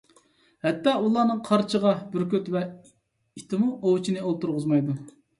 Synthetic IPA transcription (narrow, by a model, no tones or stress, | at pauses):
hɛt̪ːɑːulˠɑnɨŋqʰɑɾt͡ʃʰəʁɑbyɾkʲøt̪vɛ | it̪ʰɪmuʔowt͡ʃʰinɨolˠt̪uɾʁʊzmɑjd̪u